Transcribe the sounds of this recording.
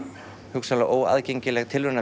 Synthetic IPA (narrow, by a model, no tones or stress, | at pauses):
hʏksalaʔoːwa̰ðceɲcɪlɛɣt̪ʰɪlvʏnːa